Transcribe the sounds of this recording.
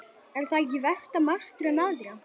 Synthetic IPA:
ɛɾ̥θaɛcːɪvɛst̪amaɾ̥st̪ɾɛmaðɾa

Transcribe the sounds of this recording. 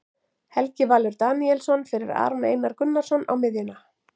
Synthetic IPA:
hɛlcɪvaːlʏɾt̪aːniɛlsɔnfɪɾɪɾa̰ːɾɔnḛːjnaɾkʏnːaɾ̥sɔnːa̰wmɪðjʏna

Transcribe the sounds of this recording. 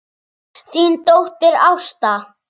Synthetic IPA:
θiːnt̪owht̪ɪɾawst̪a

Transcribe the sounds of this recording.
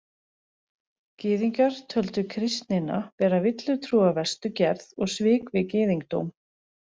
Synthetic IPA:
cɪːðiŋkaɾ̥t̪ʰœlt̪ʏkʰɾɪst̪nɪna̰vɛːɾavɪt̪lʏt̪ʰɾuːavɛ̥st̪ʏcɛɾðɔɣsvɪːkvɪcɪːðiŋk̚t̪o̰wm

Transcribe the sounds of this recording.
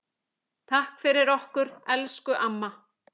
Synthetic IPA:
t̪ʰahkfɪɾɪɾɔhkʏɾɛlskʏʔamːa

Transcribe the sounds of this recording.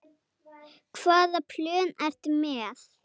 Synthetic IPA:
kʰvaːðapʰlʏːnar̥t̪ʏmɛːθ

